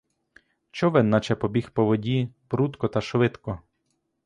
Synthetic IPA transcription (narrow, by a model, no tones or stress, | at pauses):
t͡ʃɔʋɛnːɐt͡ʃɛpɔbʲixpɔʋɔdʲipɾut̪kɔt̪ɐʃʋɪt̪kɔ